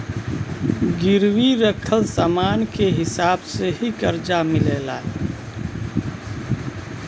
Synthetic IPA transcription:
ɡɪɾwiɾəkʰəlsaːmaːnkeɦɪsaːbseɦikəɾd͡ʒamɪleːlaː

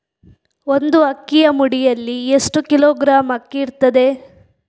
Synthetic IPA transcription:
ond̪uɐkːijɐmuɽijɐlːiesʈukiloːɡɾaːmɐkːiːɾt̪ɐd̪e̞

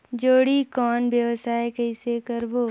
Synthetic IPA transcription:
d͡ʒoːɽikɔːnbjəʋsaːekəɪsekəɾboː

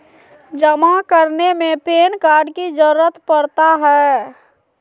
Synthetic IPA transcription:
d͡ʒəmakəɾnemẽpeːnkaɾɖkid͡ʒəɾuːət̪pəɾt̪aɦɛ

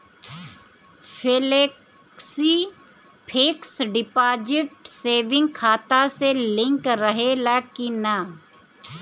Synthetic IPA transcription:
pʰelek | si | pʰeːksɖɪpaːd͡ʒɪʈseːʋɪ̃ŋɡ̚kʰaːt̪aselɪ̃ŋkɾəɦelakina

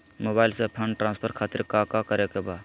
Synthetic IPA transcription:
mobailsẽpʰəɳɖʈɾãnspʰəɾkʰaːt̪iɾkakakəɾekeba

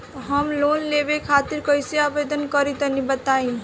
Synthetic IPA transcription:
ɦəmloːnlebekʰaːt̪ɪɾkəɪseaːbeːd̪ənkəɾit̪ənibət̪aːĩ

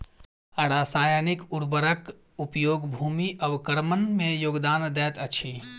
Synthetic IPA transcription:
əɽaːsaːjənikuɾbəɾək | upjoːɡbʱumiʔəbkəɾmənmejoːɡd̪aːnd̪ɛːt̪ət͡ʃʰi

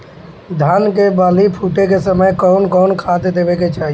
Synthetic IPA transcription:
d̪ʱankebaːlipʰuːʈekesəməjkɔʊnkɔʊnkʰad̪d̪ebeket͡ʃaːɦie

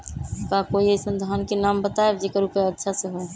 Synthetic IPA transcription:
kakoiesənd̪ʱaənkenambət̪aebd͡ʒekəɾupeətːʃʰasə̃ɦoj

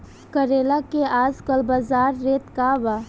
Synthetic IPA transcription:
kəɾeːlakeaːzkəlbazaːɾːeːt̪kaʋa

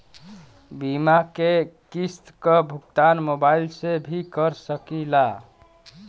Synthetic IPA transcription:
bimakekist̪kəbʱukt̪anmobailsebʱikəɾsəkila

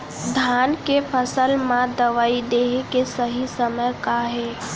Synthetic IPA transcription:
d̪ʱaːnkepʰəsəlmãd̪əʋaːid̪eːɦekesəɦisəməjkaɦɛː

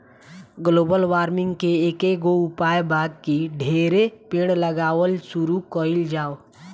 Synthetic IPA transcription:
ɡloːbəlʋaːɾmɪ̃ŋɡkeeːkeɡoʊpaːjbaːd̪̚kiɖʱeːɾepẽːɽləɡaːwəlsuɾukəild͡ʒaːo

